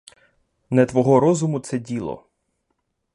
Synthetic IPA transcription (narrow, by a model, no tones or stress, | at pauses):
nɐt̪ʋɔɦɔɾɔzʊmʊt̪sɛdʲilˠɔ̰